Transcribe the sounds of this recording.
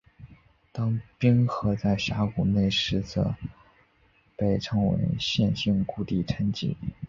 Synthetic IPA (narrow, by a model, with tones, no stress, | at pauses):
t̪ɑ˥ŋpi˥ŋxɤ˧˥t͡sa˥˩ɪɕa˧˥ku˨˩ne˥˩ɪʂɻ̩˧˥t͡sɤ̰˧˩˦ | pe˥˩ɪʈ͡ʂʰɤ˧˥ŋwḛ˧˥ɪɕjɛ˥˧nɕi˥˧˩nku˥˧t̪i˥˩ʈ͡ʂʰə˧˥nt͡ɕḭ˥